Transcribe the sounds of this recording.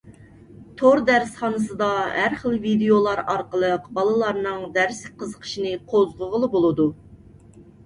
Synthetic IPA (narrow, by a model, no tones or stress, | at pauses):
t̪ʰoɾd̪æɾsχɑnɨs̬ɨd̪ɑɦæɾχəlˠvid̪ejolˠɑɾɑɾqəlˠəqbɑlˠɨlˠɑɾnɨŋd̪æɾsqʰəzəqʰə̥ʃinɨqʰozʁəʁəlˠɨbolˠɨd̪u